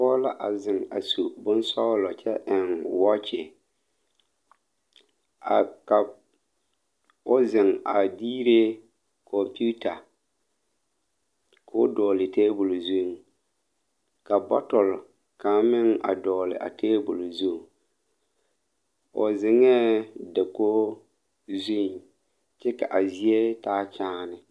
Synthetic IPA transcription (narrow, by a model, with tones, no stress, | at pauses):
ɔː˦la˦ʔa˨zɪ˨ŋa̰˨su˨bʊ˦n˦sɔ˦lɔ˨t͡ʃɛ˦ʔɪ˨nwɔ˦t͡ʃɪ˨ | a˨ka˨ | ʊ˦zɪ˨ŋa˨diː˦ɾe˦ | kʰɔ˨mpu˦ta˨ | kʰʊ˦dɔː˨lɪ˨teː˦bʊ˨lo˨zu˦˨ŋ | ka˨bɔ̰˦tɔ˨l | ka˨˦mɪ˦ŋa̰˨dɔː˨lɪ̰˨ʔa̰˨teː˦bʊ˨lo˨zu˦˨ | ʊ˨zɪ˨ŋɛ˦da˨ko˦ | zu˦˨ŋ | t͡ʃɛ˦ka̰˨ʔa˨zi˦e˦taː˦t͡ʃaː˦nɪ˦